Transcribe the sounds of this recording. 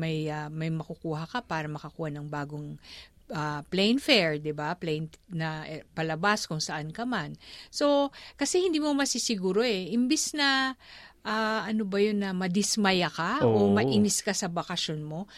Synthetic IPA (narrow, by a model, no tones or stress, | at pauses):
mɐjɐmɐjmɐkʊkuːɦɐkɐpaːɾɐmɐkɐkuːhɐnɐŋbaːɡo̞ŋ | ʔɐplɛjnfɛɹd̪ɪbaplɛjnnɐpɐlɐbaskʊŋsɐʔankɐmanso̞kɐsɛhɪnd̪iːmomɐsɪsɪɡuːɾo̞ɛʔɪmbɛsnɐ | ʔaʔɐnobɐjo̞nːɐmɐd̪ɪsmɐjakaʔomɐʔiːnɪskɐsɐbɐkɐʃonmo̞